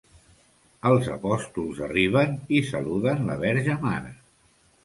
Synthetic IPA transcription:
əlˠzə̰pɔst̪ulˠzəriβ̞ənisəluðənləβ̞ɛɾʒəmaɾə

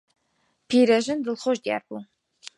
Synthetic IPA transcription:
pʰiːɾɐʒɨnd̪ɨlχoʒd̪ija̰ːɾbuː

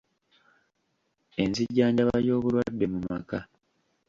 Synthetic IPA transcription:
e̞nziɟːaːɲɟaβaɾjo̞ːβuɾwadːe̞mumaka

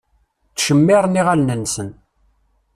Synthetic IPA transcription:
θʃəmːɪɾˤniʁalnənːsən

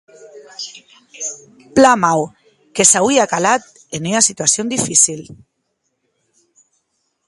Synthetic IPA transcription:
plamaw | kesawiakalat̪̚ | enynasit̪uasjond̪ifisil

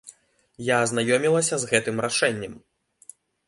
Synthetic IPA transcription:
jaːznajɔmʲilˠɐsʲɐzɣɛt̪ɨmɾaʂɛnʲːɐm

